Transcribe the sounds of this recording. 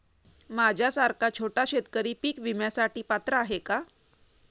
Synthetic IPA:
mad͡ʑʱjasaɾkat͡ɕʰoʈaɕet̪kəɾiːpiːkʋimjasaʈiːpat̪ɾəaɦeka

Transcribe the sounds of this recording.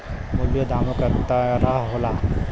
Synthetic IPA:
mʊljod̪aːmokəɾt̪aɾəɦɦola

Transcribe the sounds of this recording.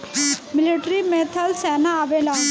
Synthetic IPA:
mɪliʈɾimet̪ʰalsɛːnaːʋela

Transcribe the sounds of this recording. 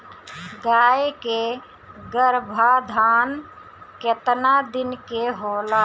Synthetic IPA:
ɡaːjeke | ɡəɾbʱad̪ʱaːn | ket̪nad̪ɪnkeɦoːla

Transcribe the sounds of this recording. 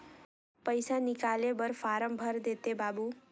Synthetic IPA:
pəjsanɪkalebəɾfaːɾəmbʱəɾd̪et̪ebaːbu

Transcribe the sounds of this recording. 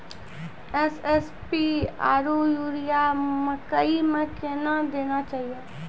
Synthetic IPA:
ɛsɛs | piaːɾujuːɾijamə̃kəimə̃kenad̪eːnat͡ʃaːɦieː

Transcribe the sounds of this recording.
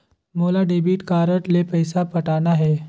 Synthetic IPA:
moːlaɖeːbiːʈkaːɾəʈlepɐjsapɐʈaːnaɦɛː

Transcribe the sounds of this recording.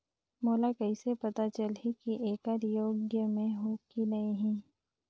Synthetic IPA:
moːlakɐɪsepɐt̪at͡ʃɐlɦikiʔeːkaːɾjoːɡjəmẽɦoːkinɐeɦĩː

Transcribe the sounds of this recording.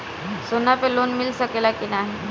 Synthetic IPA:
sonapelonmilsəkelakinaɦi

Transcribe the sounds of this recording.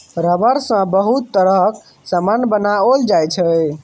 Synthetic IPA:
ɾəbəɾsə̃bəɦut̪ːəɾək | səmənbənaold͡ʒajt͡ʃʰə

